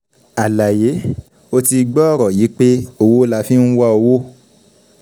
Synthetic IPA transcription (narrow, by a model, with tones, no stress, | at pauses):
a˨la˨je˨˦ | o˦ti˧ɡ͡bɔ˦ɔ˦˨ɾɔ˨ji˨˦k͡pe˦o˧wo˦la˧˦fĩ˦ñ̩˦wa˧o˧wo˦